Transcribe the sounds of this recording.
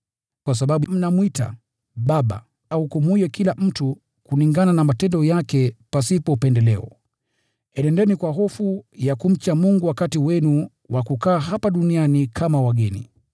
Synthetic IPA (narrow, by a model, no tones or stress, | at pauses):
kwas̬aɓaɓum̩namwita̰ | ɓaɓa̰ | aukumujɛkilam̩tu | kuliŋɡananamatɛndɔjakɛpasipɔupɛndɛlɛɔ̰ | ɛnɛndɛnikwaɦɔfujakum̩t͡ʃamuŋɡuwakatiwɛnu | wʔakukaːɦapaɗunianikʰamawaɡɛnḭ